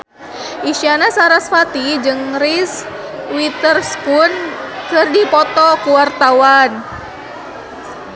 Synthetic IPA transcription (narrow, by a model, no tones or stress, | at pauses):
ʔiʃianasaɾasfat̪id͡ʒɨŋris | wit̪ərskunkɨrdipɔt̪ɔkuwart̪awan